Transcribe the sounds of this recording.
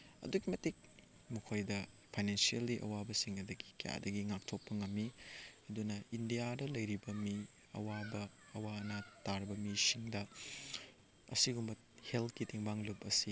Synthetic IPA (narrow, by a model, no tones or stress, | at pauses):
ɐ̰duɡimɐtik̚ | mukʰojdɐ | pʰajnensielːiʔɐ̰wabɐsiŋɐdɐɡi̥kja̰dɐɡiŋak̚tʰok̚pɐŋɐmːiɐdunɐindijadɐlɐjɾibɐmi | ɐ̰wabɐː | wanataɾbɐmisiŋdɐ | ɐ̰siɡumbɐ | heltkitʰiŋbaŋlupɐsi